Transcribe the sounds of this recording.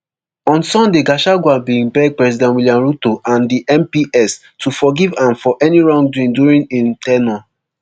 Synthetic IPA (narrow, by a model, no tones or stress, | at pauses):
ɔ̃nsɔ̃ndeɡaʃaɡwabiĩmpɛd̚pɹɛzidɛ̃twiliãmɹutoʔãndiʔɛ̃mpiʔɛs | tufɔɡivãmfɔʔɛniɹɔ̃ŋduĩnduɹĩŋĩntɛna